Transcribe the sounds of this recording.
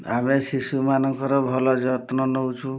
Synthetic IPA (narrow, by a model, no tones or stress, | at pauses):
ameʃisumanɔŋkɔɾɔbʱɔlɔd͡ʒɔt̪nɔnout͡ʃʰu